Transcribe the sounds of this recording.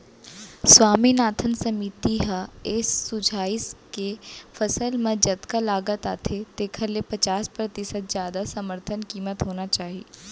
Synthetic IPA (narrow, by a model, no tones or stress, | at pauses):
swaːminaːt̪ʰənsɐmiːt̪iɦaɪsːʊd͡ʒʱaːɪskefɐsəlmẽd͡ʒɐt̪kalaːɡət̪aːt̪ʰet̪eːkʰəɾlepɐt͡ʃaːspɾɐt̪ɪsət̪̚zjaːd̪asɐməɾt̪ʰənkiːmət̪ɦoːnat͡ʃaːɦiː